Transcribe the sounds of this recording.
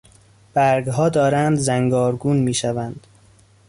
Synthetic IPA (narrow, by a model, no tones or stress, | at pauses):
b̥æɾɡɦɒːd̪ɒːɾænd̪zæŋɡɒːɾɡuːnmiːʃævænd̪̥